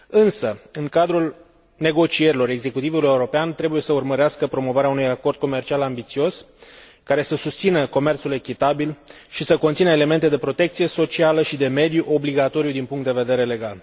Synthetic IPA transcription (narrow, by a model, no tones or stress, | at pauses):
ɨnsəɨŋkad̪ɾul | ne̞ɡo̞t͡ʃie̞ɾilo̞ɾe̞ɡze̞kut̪ivuluje̞uɾo̞peant̪ɾebuje̞səurməɾeaskəpɾo̞mo̞vaɾeaunujako̞rd̪̚ko̞me̞rt͡ʃialambit̪sio̞s | kaɾe̞səsust̪sinəko̞me̞rt̪sule̞kʲit̪abilʃisəko̞nt̪sinəele̞me̞nt̪e̞d̪e̞pɾo̞t̪e̞k̚t̪sije̞so̞t͡ʃialəʃid̪e̞me̞d̪juʔo̞bliɡat̪o̞ɾijud̪inpuŋkt̪d̪e̞ve̞d̪e̞ɾe̞le̞ɡal